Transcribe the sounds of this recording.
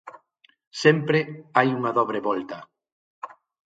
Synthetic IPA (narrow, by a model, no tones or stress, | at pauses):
sɛmpɾɪajuŋɐðɔβ̞ɾeβɔlt̪ɐ